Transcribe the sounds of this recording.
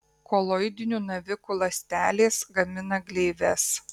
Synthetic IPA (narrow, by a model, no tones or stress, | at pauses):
kɔlˠɔɪd̪ʲɪnʲuːnɐʋʲɪkuːlˠɐsʲt̪ʲæːlʲeːsɡɐmʲɪnɐɡlʲeːʋʲɛs